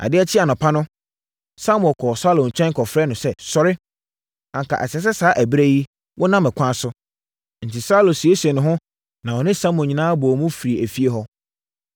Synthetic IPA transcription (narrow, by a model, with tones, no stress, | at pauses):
a̰˨dɪ˦æ˦t͡ɕʰɪ˦a˨nʊ̃˨pʰa˦nʊ̃˦ | sa˦m̃˨ɔ̃˨kʰɔː˨sa˦lõ˨n̩˨t͡ɕᶣɛ̃˦ŋ˦kʰɔ˨fɾɛː˦nʊ̃˨sɛ˦sɔ˨ɾɪ˦ | ã˨ŋkʰa̰˨ʔɛ˨sɛ˨s̬ɛ˦saː˨˦ʔæ˨bɾe˦ji˦ | wʔɔ˦nã˦mɛ˨kʷʰã˦sʊ˦ | n̩˨tʰi˨sa˦lo˨si˨e˦sɛ˨nʊ̃˨ɦʊ̃˦ | nã˨wɔ˨nɪ̃˦sa˦mʊ̃˨ɲĩ˨nãː˦bɔ˨mũ˦fi˨ɾi˨æ˨fi˦e˦ɦɔ˦